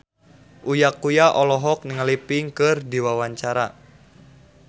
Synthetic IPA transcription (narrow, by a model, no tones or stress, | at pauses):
ʔujakujaʔɔlɔɦɔk̚niŋəlipɪŋkɨrdiwawaɲt͡ʃaɾa